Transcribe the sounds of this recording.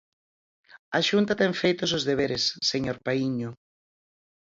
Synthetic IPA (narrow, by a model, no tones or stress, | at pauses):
ɐʃunt̪at̪ɛŋfejt̪osozðeβeɾesːeɲoɾpaiɲʊ